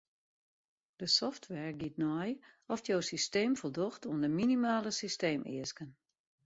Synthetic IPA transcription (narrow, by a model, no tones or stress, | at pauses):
d̥əsɔftʰʋɛɹɡitnɔjɔftjowsisteːmfəlˠdoxtuəndəminimaːləsisteːmɪ̰əskən